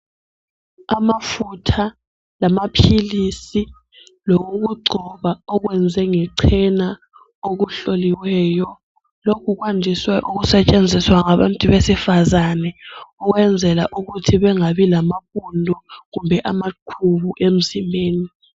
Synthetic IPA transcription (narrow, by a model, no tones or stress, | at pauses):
amafutʰa | lamapʰilisi | loɣuk̬uɡ͡ǀʱɔβaɔk̬wɛnd͡zʱɛŋɛǀʰɛna | ok̬uɬoliwɛːjɔ | lokʰuk̬wandʱiswɛʔuk̬usɛt͡ʃʼend͡zʱiswaŋaβa̰ntʼuβesifazanɛukwɛnd͡zʱɛlaʔuɣutʰiβɛŋaβilamaɸundʱɔɣumbʱɛʔamaǃʰuβuʔem̩zimbʱeːni